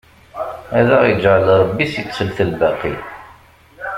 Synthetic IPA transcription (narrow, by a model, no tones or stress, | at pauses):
æðæʁjd͡ʒʕəlɾˤəbːisit̪ːsəlθəlbæqḭ